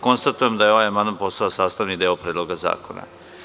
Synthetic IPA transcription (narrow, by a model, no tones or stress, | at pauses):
ko̞nst̪at̪ujemd̪ajeo̞ʋajamand̪anpo̞saosaːst̪aʋnid̪eːopɾeːd̪lˠoɡaza̰ːko̞na̰